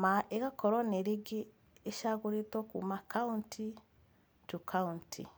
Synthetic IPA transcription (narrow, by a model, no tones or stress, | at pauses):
maeɣakʰɔɾɔneɾiɡi | eʃaɣuɾitɔkṵmakauntʰi | tukʰauntʰḭ